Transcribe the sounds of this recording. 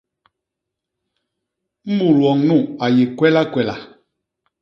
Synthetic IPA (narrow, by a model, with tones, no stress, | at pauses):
m̩˦mu˨lwɔ˨ŋnu˦˨a˨je˨kwɛ˦la˦kwɛ˨la̰˨